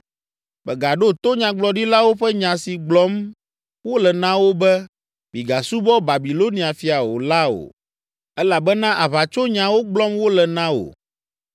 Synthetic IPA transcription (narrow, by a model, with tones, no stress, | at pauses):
bɛ˨ɡa˨ɖo˦t̪o˦ɲã˨ɡ͡blɔ˨ɖi˦la˦wo˦ɸɛ˦ɲã˨si˨ɡ͡blɔ˨˦m | wo˦lɛ˨nã˦wo˦bɛ˦ | bi˨ɡa˨su˦bɔ˦ba˨bi˨lo˦nĩ˨a˨fi˨a˨o̰˨la˦o̰˨ | ɛ˦la˨bɛ˦nã˦ʔa˨βa˨t͡ʃo˦ɲã˨wo˦ɡ͡blɔ˦mwo˦lɛ˨nã˦o̰˨